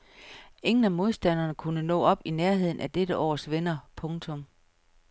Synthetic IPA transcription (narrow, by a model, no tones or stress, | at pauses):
e̝ŋn̩æmo̝ð̞ˠsd̥æn̰ɐnəkʰunənɔ̰̽ːɒ̽b̥ineɐɦe̝ð̰ˠn̩æd̥ed̥əʔɒ̰ːsʋenɐpʰɔ̽ŋt͡sʰɔ̽m